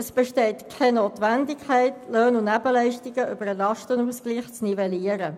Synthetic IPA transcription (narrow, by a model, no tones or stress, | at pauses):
əsb̥ɛʃtɛɪtkʰɛnoːtʋɛndɪkhæɪtløːnʊnæbəlɛɪʃtɪɡəʔʏb̥əɾəlɑʃtənuːsɡ̥liːχt͡snivɛliəɾə